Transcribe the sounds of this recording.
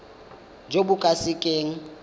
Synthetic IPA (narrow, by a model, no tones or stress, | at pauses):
d͡ʒobʊkʼasɪkʼeːŋ̩